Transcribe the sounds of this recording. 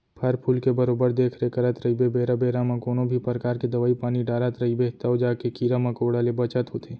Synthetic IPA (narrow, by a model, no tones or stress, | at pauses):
pʰəɾpʰuːlkebəɾoːbəɾd̪eːkʰɾekəɾat̪ɾəibebeːɾabeːɾamãkoːnõbʱipəɾkaːɾked̪ɐʋaːipaːniɖaːɾat̪ɾəibet̪əwd͡ʒaːkekiːɾamãkoːɽalebət͡ʃət̪ɦot̪ʰeː